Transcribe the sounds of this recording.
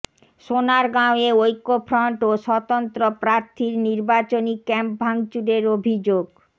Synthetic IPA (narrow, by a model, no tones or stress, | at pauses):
ʃonaɾɡãoeojkːofʰɾɔɳʈoʃɔt̪ont̪ɾopɾaɾt̪ʰiɾniɾbat͡ɕonikɛmp̚bʱaŋt͡ɕuɾeɾobʱid͡ʑoɡ